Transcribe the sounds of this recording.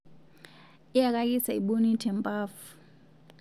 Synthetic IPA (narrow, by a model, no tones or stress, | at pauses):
ijak̬ʼak̬ʼisaiɓonitʰɛmpʼaːfu̥